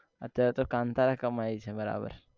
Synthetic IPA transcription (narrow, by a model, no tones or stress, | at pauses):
ɐ̰tːʰat̪okãːnt̪aɾakəmait͡ʃʰɛbɐɾa̰ːbə̰ɾ